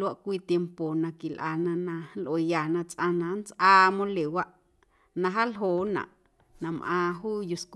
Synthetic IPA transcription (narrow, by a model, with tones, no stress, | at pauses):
la˦˧ʔkʷiː˧t̪je˧mpo˨nã˧ki˨lʔaː˧˨nã˧nã˧˦lʔo˨ja˨nã˧t͡sʼʔã˧nã˧˦nt͡sʔaː˧mõ˧le˨wa˦ʔ | nã˧ɦa˦lɦoː˨nã̰˨ʔ | nã˨mʔãː˧ɦuː˦ju˧sk